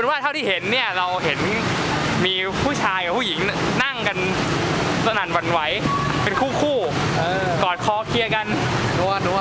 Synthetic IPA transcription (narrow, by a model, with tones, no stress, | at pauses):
nwaː˥˩t̪ʰa˥˩wt̪iː˥˩he˩˦nːi˥˩əɾa˧wɦe˩˦n | miː˧ | pʰuː˥˩t͡ɕʰaː˧jka˨˩pʰuː˥˩ji˩˦ŋna˥˩ŋka˧n | sa˧na˨˩˦nwa˧nwa˦˥jpe˧nkʰuː˥˩kʰuː˥˩˧ | kɔː˨˩t̪̚kʰɔː˧kʰi˧əka˧n˧